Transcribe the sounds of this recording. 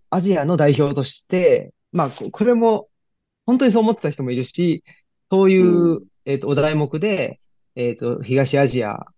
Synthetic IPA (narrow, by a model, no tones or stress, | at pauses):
aʑiano̞d̪aiço̞ːt̪o̞ɕi̥t̪e̞ | makokʰo̞ɾe̞mo̞ | ho̞nt̪o̞ɲ̟is̬o̞ːmo̞t̪ːe̞t̪açi̥t̪o̞mo̞iɾɯ̟ɕi | so̞ːjɯ̟ː | e̞ːt̪ːo̞ːd̪aimo̞kɯ̟d̪e̞ː | t̪ːo̞çiɡaɕiaʑia̰